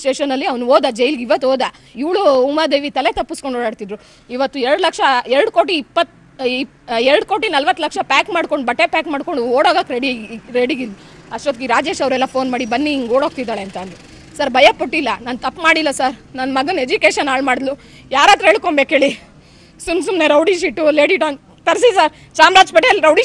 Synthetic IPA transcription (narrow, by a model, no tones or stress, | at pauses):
sʈeːʂɐnːɐlːiɐʋnuoːd̪ad͡ʒejiliɡiʋɐt̪ːoːd̪a | iʋɭuumaːd̪e̞ːʋit̪ɐle̞t̪ɐpːuskoɳɖoːɽaːɽt̪id̪ɾu | iʋɐt̪ːuɛɾɽlɐkʂɐɛɾɽuko̞ːʈiːpːɐt̪ː | ɛɾɽko̞ːʈinɐlʋɐt̪ːlɐkʂɐpaːkmaːɽko̞ɳɖbɐʈːepaːkmaːɽko̞ɳɖuoːɽaɡakɾeɽiɾeɽiɡilːu | ɐʂɾɐt̪ɡiɾaːd͡ʒe̞ːʃɐʋɾɛlːɐpʰoːnmaːɽibɐnːiːŋɡoːɽoːɡ̚t̪id̪aːɭeɐnt̪and̪ɾu | sɐɾbʱɐjɐpoʈːilːɐnaːnt̪ɐpːmaːɽilːɐsɐɾnɐnːmɐɡɐned͡ʒukeːʃɐnaːɭmaːɽd̪lu | jaːɾaːt̪uɦeːɭkombeːkɦeːɭi | sumsumne̞ɾɐwɖiʃ̬iʈːuleːɽiʈaːn | t̪ɐɾs̬isaːɾ | t͡ʃaːmɾaːd͡ʒpeʈelɾɐwɖi